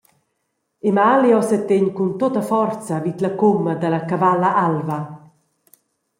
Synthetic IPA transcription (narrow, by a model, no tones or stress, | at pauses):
emaljɔsɛt̪ːeɲkunt̪ot̪əfɔrt͡sɐvit̪lɐkomːɐd̪ɐlɐkavalaʔalva